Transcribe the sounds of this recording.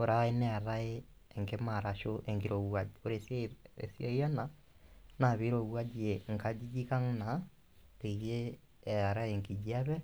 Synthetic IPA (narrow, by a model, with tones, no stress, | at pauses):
o˨ɾae˦nɛ˦a˨ɾa˦eːŋɡe˦maɾa˨ʃoʔɛŋɡeɾo˨ɣwaoɾesḛsjɔia˦na | na˨βi˦ɾo˨ɣwa˦d͡ʒieŋka˨d͡ʒid͡ʒi˦ka˦ŋna˨ | ɾeje˦ | ɛa˨ɾa˦eŋɡi˨d͡ʒia˦βɛ